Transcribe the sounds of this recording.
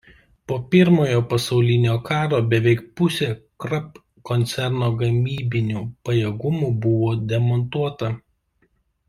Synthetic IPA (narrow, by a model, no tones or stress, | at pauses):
poːpʲɪɾmoːjoːpɐsɒʊlʲɪnʲoːkʰɑːɾoːbʲɛʋʲɛɪk̚pʊsʲeːkɾɐp | kɔnʲt̪sʲɛɾnoːɡɐmʲiːbʲɪnʲuːpɐjɛɡʊmuːbʊʋoːd̪ʲɛmɔnt̪uɔt̪ɐ